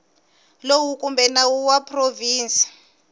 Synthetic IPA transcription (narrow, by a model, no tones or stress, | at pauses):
lowukʼumbʱɛnawuwapʰʼroviːnsʼi̥